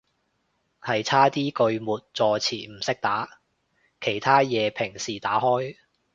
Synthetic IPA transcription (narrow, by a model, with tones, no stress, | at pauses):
hɐ˨jt͡sʰaː˥t̪iː˥kɵ˧ɥmuː˨t̚t͡sɔː˨˧t͡sʰiː˨˩m̩˨˩sɪ˥k̚t̪aː˨˥ | kʰe˨˩jt̪ʰaː˥jɛː˨˧pʰɪ˨˩ŋsiː˨˩t̪aː˨˥hɔː˥j